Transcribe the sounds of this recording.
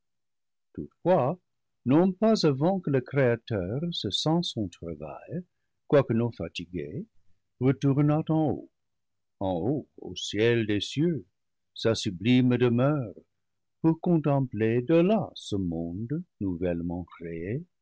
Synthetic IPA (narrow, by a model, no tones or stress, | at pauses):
tutfwa | nɔ̃pazavɑ̃kələkreatœʁsəsɑ̃sɔ̃t̪ʁava̰j | kwakənõfatiɡe | ʁətuʁnat̪ɑ̃o̰ | ɑ̃oo̰sjɛldesjø | sasyblimdəmœʁ | puʁkɔ̃t̪ɑ̃pled̪əlasəmɔ̃d̪nuvɛlmɑ̃kree